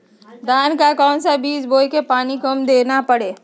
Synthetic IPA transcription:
d̪aːnkakɔːnsabiːd͡ʒboːjkepaːnikomd̪eːnapəɽeː

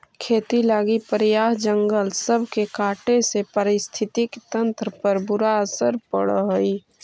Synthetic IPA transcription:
kʰeːt̪ilaːɡipəɾijaːɦd͡ʒəŋɡəlsəbʱkekaːʈesepəɾɪst̪ʰɪt̪ikt̪ə̃nt̪ɾəpəɾbʊɾaəsəɾpəɽəɦoi

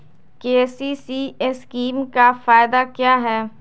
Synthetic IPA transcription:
keːsiːsiːeskiːmkafaːɪd̪akjaːɦɛː

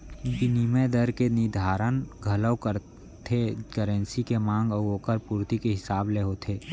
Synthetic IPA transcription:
bɪnimɛd̪əɾkenɪɾd̪ʱaːɾənɡʱɐləwkəɾ | t̪ʰekəɾə̃nsikemãːŋɡəoːkəɾpuːɾt̪ikeɦɪsaːbleɦot̪ʰeː

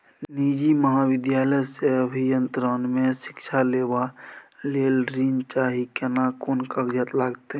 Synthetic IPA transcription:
nid͡ʒiməɦaʋɪd̪jaləjseəbʱijənt̪ɾənmeʃɪ̥kt͡ʃʰalebalelɾint͡ʃaːɦikenakonkəɡd͡ʒət̪laːɡt̪e

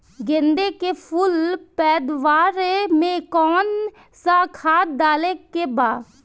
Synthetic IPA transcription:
ɡẽnd̪ekepʰʊlpɛːd̪ʋaːɾemẽkɔːn | sakʰaːd̪aːlekebaː

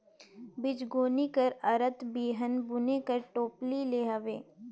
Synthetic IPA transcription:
bɪd͡ʒɡoːnikɐɾɐɾət̪biːɦənbʊnekɐɾʈoːplileːɦəʋeː

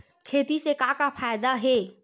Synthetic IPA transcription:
kʰeːt̪isekãkafʰaːjd̪aɦɛː

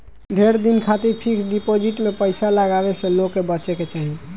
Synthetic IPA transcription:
ɖʱeɾd̪inkʰat̪iɾpʰikɖipod͡ʒiʈmepəɪsaləɡabesẽloɡkːebət͡ʃeket͡ʃaɦĩ

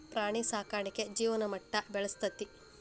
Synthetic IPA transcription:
pɾaːɳisaːkaːɳiked͡ʒiːʋɐnɐmɐʈːɐbɛɭɐst̪ɐt̪i

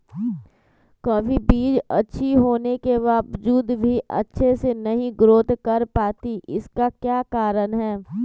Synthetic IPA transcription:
kaːbʱibiːd͡ʒɐ̰tːʃʰiɦoːnekeʋaːʋd͡ʒuːd̪bʱiʔɐ̰tːʃʰesenɐɦĩɡɾoːt̪kɐɾpaːt̪iʔɪskakjaːkaːɾənɦɛː

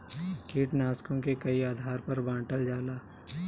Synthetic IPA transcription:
keːʈnaːskõkekɐiaːd̪ʱaːɾpɐɾbãːʈəld͡ʒaːlaː

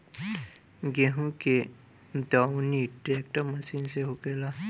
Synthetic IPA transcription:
ɡeɦũke | d̪awniʈɾeːk̚ʈəɾmɐsinseɦokela

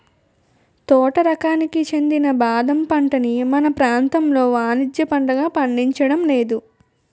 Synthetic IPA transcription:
t̪ɔːʈɐɾɐkaːnikit͡ʃe̞nd̪inɐbaːd̪ɐmpɐɳʈɐnimɐnɐpɾaːnt̪ɐmlo̞ːʋaːnid͡ʒ̪jɐpɐɳɖɐɡaːpɐɳɖiɲt͡ʃɐɽɐmle̞ːd̪u

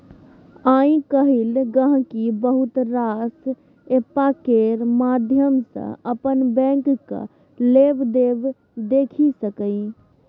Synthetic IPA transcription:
aĩkəɦilɡə̃ɦkibəɦut̪ɾas | epakeɾmad̪ʱjəmsə̰̃əpənbɛ̃ŋkkə̰ | lebd̪eb | d̪ekʰisəkəɪ

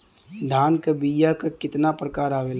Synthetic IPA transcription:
d̪ʱaːnkəbijakakɪt̪napɾəkaːɾaːʋeːl

